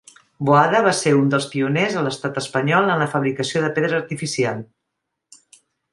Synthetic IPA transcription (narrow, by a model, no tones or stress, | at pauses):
boaðəβ̞aseɾund̪əlˠspiunezələst̪at̪əspəɲɔlˠənləfəβɾikəsioðəpeðɾəːɾt̪ifisialˠ